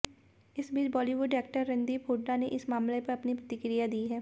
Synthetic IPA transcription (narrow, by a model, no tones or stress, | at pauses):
ɪsbiːt͡ʃbɔːliʋʊɖɛːk̚ʈəɾːɐ̃nd̪ipʰoːʈːaneʔɪsmaːmlepɐɾɐpnipɾɐt̪ɪkɾijad̪iːɦɛː